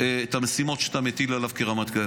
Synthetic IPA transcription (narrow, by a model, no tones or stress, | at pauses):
eet̪amesimot̪ʃe̥t̪amet̪ilalavkeʁamat̪kae